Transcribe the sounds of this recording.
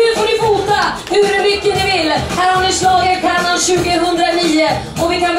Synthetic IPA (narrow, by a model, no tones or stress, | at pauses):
ɵfoːnɪfuːt̪a | hɵɾmʏkːənɪvɪlːhæːɾhannɪslɑːɡəɾkʰaɾanːanɕʉ̟ːɡəɦɵnd̪ɾaniːʊ | ɔvɪkʰan